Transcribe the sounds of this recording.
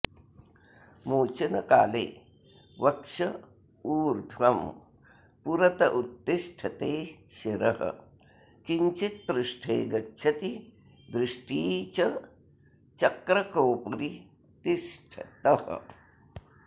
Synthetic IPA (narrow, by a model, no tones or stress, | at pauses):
moːt͡ʃɐnɐka̰ːlḛː | ʋɐkʂɐ | uːɾd̪ʱʋɐm | puɾɐt̪ɐʔut̪ːiʂʈʰɐt̪eːʃiɾɐɦɐ̰ | kiɲt͡ʃit̪̚pɾuʂʈʰeːɡɐtːʃʰɐt̪i | d̪ɾɪʂʈiːt͡ʃɐ | t͡ʃɐkɾɐkoːpɐɾi | t̪iʃʈʰɐ̰t̪ɐhɐ̰